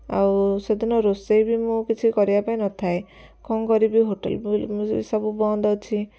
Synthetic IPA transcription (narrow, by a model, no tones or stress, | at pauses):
a̰wsed̪inɔɾosejbimũkit͡ʃʰikɔɾibapaenɔt̪ʰae | kʰɔŋkɔɾibiɦoʈḛlbmḭsɔbubɔnd̪ʱɔt͡ʃʰi